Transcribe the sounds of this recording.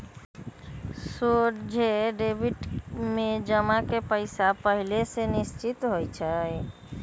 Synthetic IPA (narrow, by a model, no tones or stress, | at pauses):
soʈd͡ʒʱeɖebiʈmẽd͡ʒəmakepəɪsapəɦilesenɪst͡ʃɪt̪ɦojt͡ʃʰəj